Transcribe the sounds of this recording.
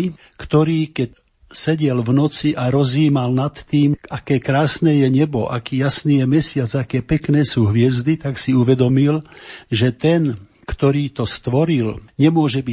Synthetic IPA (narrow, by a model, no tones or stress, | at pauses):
kt̪ɔɾiːkɛc | sɛɟɛlʋnɔt͡siʔaɾɔziːmalnat̪ːiːmʔakɛːkɾaːsnɛːjɛɲɛbɔʔa̰kiːjasniːjɛmɛsɪad͡zakɛːpɛknɛːsuːɦʋɪɛzd̪it̪aksiuʋɛd̪ɔmilʒɛt̪ɛn | kt̪ɔɾiːt̪ɔst̪ʋɔɾilɲɛmʊɔʒɛbi